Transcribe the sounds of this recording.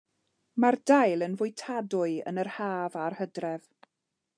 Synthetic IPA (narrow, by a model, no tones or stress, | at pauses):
mardajlˠənvʊɨtʰadʊɨə̰nərhaːvarhədrɛv